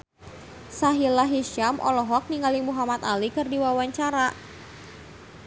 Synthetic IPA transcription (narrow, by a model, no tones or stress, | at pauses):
saɦilaɦiʃamʔɔ̰lɔɦɔk̚niŋalimuɦamat̪alikɨrdiwawaɲt͡ʃaɾa